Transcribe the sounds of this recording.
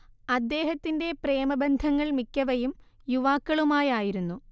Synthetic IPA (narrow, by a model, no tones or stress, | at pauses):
ɐd̪ːe̞ːɦɐt̪ːinde̞pre̞ːmɐbɐnd̪ʱɐŋːɐɭmikʲːɐʋɐjum | juʋaːkːɐɭumaːjaːjiɾunːu